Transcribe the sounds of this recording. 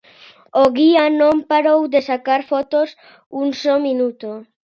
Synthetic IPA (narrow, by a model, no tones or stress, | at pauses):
oɣianõmpaɾowd̪esakaɾfɔt̪os | uŋsɔminut̪o